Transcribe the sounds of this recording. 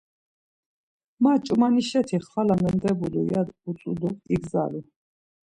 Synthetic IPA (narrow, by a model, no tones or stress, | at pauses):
mat͡ʃʼmaniʃɛt̪ʰiχlalamɛnd̪ɛbulṵjad̪usʼuluiɡza̰li